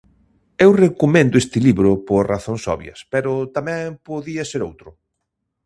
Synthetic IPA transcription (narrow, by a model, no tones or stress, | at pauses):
ewrekomẽnd̪ʊest̪ɪliβɾʊpoɾraθoŋsɔ̰βj̰ɐ̰speɾʊt̪amɛ̃ŋpoðiɐseɾowt̪ɾʊ